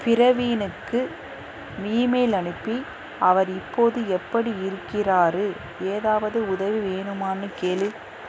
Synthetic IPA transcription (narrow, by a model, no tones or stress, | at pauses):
pɪɾɐʋiːnɯkːɯ | miːmɐɪlɐɳɯpːi | ɐʋɐɾɪpːoːðɯɛpːɐɽiɪɾɯkːɪraːɾɯ | eːðaːʋɐðɯʊðɐʋiʋeːnɯmaːnɯkeːlɯ